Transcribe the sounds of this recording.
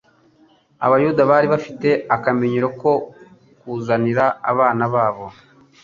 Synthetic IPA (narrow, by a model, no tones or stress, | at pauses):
a̰βajudaβaːɾiβafite̞akameɲiɾoko̞ | kuːzaniɾaa̰βaːnaβaːβo̞